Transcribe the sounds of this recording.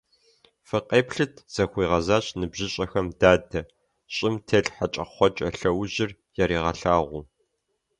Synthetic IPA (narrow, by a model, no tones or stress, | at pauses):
fɨqʼeːpɬɨtʰz̥ɐxʷiːʁɐzaːɕʼnɨbʑɪɕʼɐxɐmdaːdɐ | ɕʼɪmtʰeːɬħat͡ʃʼɐχʷɔt͡ʃʼɐɬɐwʑɪr | jɛɾiːʁɐɬaːʁʷu